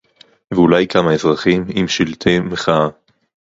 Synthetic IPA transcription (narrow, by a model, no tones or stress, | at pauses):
veulajkamaezʁaχimimʃilt̪ʰemeχaa